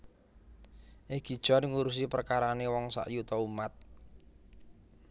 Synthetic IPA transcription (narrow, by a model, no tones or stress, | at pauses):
ʔeɡ̥i̤d̥ʒ̥ɔ̤nŋuɾus̬ipərkaɾanewɔŋsa̰ʔjut̪ɔumat̪̚